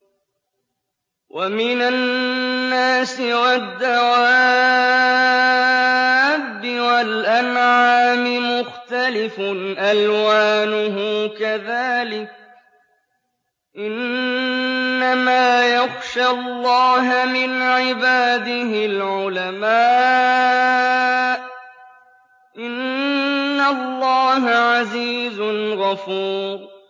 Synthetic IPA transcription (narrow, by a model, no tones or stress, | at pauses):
wʔamɪnanːaːsɪɾɑd̪ːaʕaaː | bːɪwalʔanʕaaːmɪmʊxt̪alɪfʊʔalwaːnʊɦʊkaðaːlɪk̚ | ʔɪn | amaːjaxʃalˤːɑːɦmɪnʕɪbaːd̪ɪɦɪlʕʊlamaː | ʔɪnː | alːɑːɦaʕaziːzʊnɣɑfuːɾ